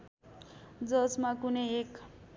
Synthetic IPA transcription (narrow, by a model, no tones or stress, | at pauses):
d͡zʌsmakunʌjek